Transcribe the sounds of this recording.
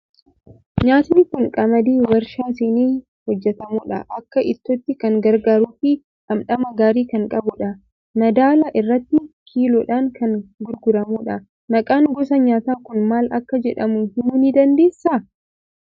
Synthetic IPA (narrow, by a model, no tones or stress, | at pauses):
ɲaːt̪nɪkʊŋkʼɐmɐd̪iːwɐɾʃaːsɪniː | hɔd͡ʒːɛt̪ɐmuːᶑɐ̰ʔɐkːɐʔɪt̪ːoːt̪ːɪkɐŋɡɐɾɡaːɾuːfɪ | ᶑɐmᶑɐmɐɡaːɾiːkɐŋkʼɐbʊᶑɐ | nɐd̪aːlɐʔɪrːɐt̪ːɪkʰiːlɔᶑaːŋkɐŋɡʊɾɡʊɾɐmuᶑɐ | nɐkʼaːŋɡɔs̬ɐɲaːt̪aːkʊnmaːlɐkːɐd͡ʒɛᶑɐmʊnhɪnuːnɪd̪ɐnd̪e̞ːsːɐ